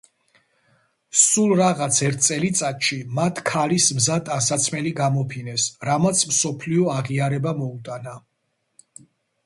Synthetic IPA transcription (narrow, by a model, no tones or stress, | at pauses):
sulˠɾaʁat̪sʰɛɾt̪̚ʰt̪sʼɛlit̪sʼat̪ʃimat̪ʰkʰalismzad̪ʼasat̪sʰmɛliɡamɔpʰinɛsɾamat̪sʰmsɔpʰliɔaʁiaɾɛbamɔut̪ʼana